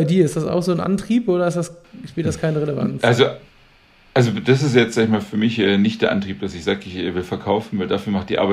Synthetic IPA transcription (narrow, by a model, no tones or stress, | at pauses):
aɪdiːɐɪstd̥asa̰ʊxz̥oːnʔa̰ntʁ̥iːpʔoːɾɐɪstd̥asʃpeːtdskʰaɪnəʁɛleva̰nt͡sʔalzo | ʔalzod̥as̬ɪstjɛt͡stz̥aːɡɪçmaːlfyːɐmɪçʔɛːnɪçtd̥eːɐʔa̰ntʁ̥iːp̚d̥asɪçz̥aːɡəɪçɛːvɪlfɛɐkʰaʊfn̩vaɪldaːfyːɐmaχtd̥iːʔaɐbaɪ